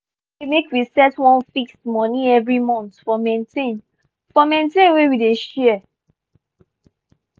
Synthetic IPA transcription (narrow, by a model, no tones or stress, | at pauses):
emekwisɛtwɔ̃nfikstmɔ̃niɛvɹimɔ̃nt̪fɔmẽntʰẽn | fɔmẽntẽnwewideʃɛɛ